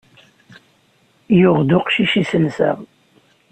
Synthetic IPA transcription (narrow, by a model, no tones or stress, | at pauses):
jʊʁd̪ʊqʃiʃisəlsə̰ʁ